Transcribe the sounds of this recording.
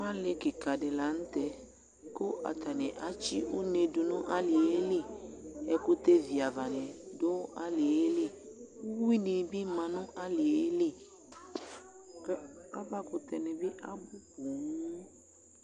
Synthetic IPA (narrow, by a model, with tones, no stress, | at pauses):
mã˦le˦ke˨ka˨ɖe˨la˨˦ñ̩˦t̪ɛ˨ | ko˦ʔa̰˨t̪a˨nɛ̃˨ʔa˨t͡ʃi˦o˦nẽ˨do˨nɔ̃˦ʔa˦li˨e˦li˦ɛ˦ko˦t̪e˦vi˨a˨va˨nɛ̃˨do˦ʔa˦li˨e˦li˦wo˦wi˦nẽ˨bi˦mã˨nɔ̃˦ʔa˦li˨e˦li˦ | ka˦ba˦ko˨t̪ɛ˨nɛ̃˨be˦ʔa˦bu˦ku˨ŋũ˦